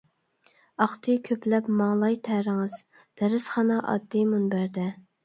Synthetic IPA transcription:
ɑχt̪ʰɨkʲʰøplɛpmɑŋlˠɑjt̪ʰæɾɪŋɨz̥ | d̪̥æɾɪsχɑnɑʔɑ̰d̪ːɨmunbæɾd̪ɛ

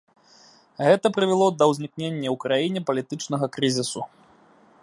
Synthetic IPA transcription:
ɣɛt̪ɐpɾɨvʲɛlˠɔd̪ɐwzʲnʲiknʲenʲːɐwkɾajinʲɛpɐlʲit̪ɨt͡ʂnɐɣɐkɾɨzʲisu

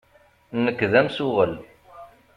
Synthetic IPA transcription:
nːəkːðæmsʊʁəl

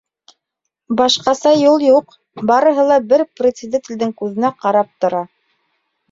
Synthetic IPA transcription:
bɑʃqɑsɑjulˠjuq | bɑɾɤ̆ɦɤ̆lˠɑbɘɾprʲɪt̪sɪd̪ʲet̪ʲĭld̪ɘŋkʉðɘ̆næqɑɾɑp̚t̪ŏɾɑ

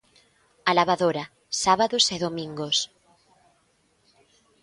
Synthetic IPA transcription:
alaβaðoɾa | saβaðoseðomĩŋɡos

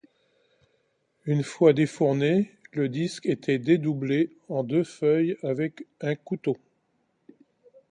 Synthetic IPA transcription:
ynfwad̪efuʁneləd̪isket̪ʰɛd̪ed̪uble | ɑ̃d̪øfœjavɛkɛ̃kut̪o

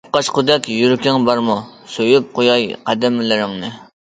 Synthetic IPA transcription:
p̚qɑʃqʊd̪ɛkʲjyɾkʲɪŋbɑɾmusøjyp̚qojɑjqʰæd̪ɪmɪlɪɾɪŋnɨ

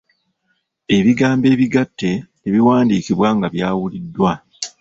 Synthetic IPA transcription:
e̞βiɡaːmbe̞ːβiɡatːe̞ | eβiwaːndiːkiβwaːŋɡaβjaːwulidːwa

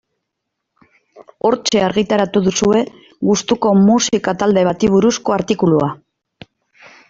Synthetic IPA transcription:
o̞ɾt͡ʃe̞aɾɣit̪aɾat̪uðusue̞ | ɣust̪uko̞musikat̪ald̪e̞β̞at̪iβ̞uɾusko̞aɾt̪ikulua

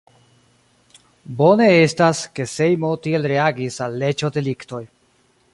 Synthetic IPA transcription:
bo̞ne̞estaske̞se̞jmo̞tie̞lɾeaɡisalːe̞t͡ʃo̞de̞likto̞j

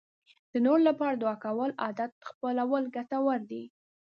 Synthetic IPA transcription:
d̪̥ənoɾlapɑɾad̪wɑkawəlɑd̪at̪xpəlawəlɡatawəɾd̪i

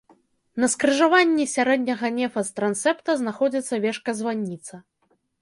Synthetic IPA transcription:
nɐskɾɨʐavanʲːisʲaɾɛd̪̚ʲnʲɐɣɐnʲɛfɐst̪ɾant̪sɛpt̪ɐznaxɔd͡zʲit̪sːɐvʲɛʂkɐzvanʲːit̪sɐ

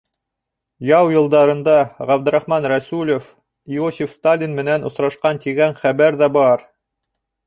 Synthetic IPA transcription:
jɑwjɤ̆lˠd̪ɑɾɤ̆nd̪ɑʁæbd̪ɘ̆ɾɑχmɑnɾæsulʲŏf | iosʲifst̪alʲinmɘ̆nænʔŏsɾɑʃqɑnt̪iɡæɴχæβæɾðæbɑɾ

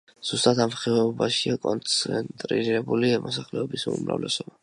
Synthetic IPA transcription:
z̥ust̪ʼat̪amχɛbaʃiakʼɔnt̪sʰɛnt̪ʼɾḭɾɛbulimʔɔsaχlɛɔbisumɾa̰vlɛsɔba

